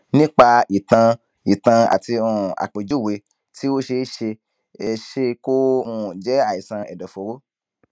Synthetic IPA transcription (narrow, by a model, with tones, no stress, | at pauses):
nĩ˦k͡pa˧i˨tã˧ | i˨tã˧a̰˨ti˧ɔ̃˧˨a̰˨k͡pe˨d͡ʒu˦˨we˧ | ti˦wo˦ʃe˧˦ʃe˧ | e˧ʃe˧ko˦mũ˧d͡ʒɛ˨˦a˦˨i˨sã˧ɛ̰˨dɔ˨fo˨˦ɾo˦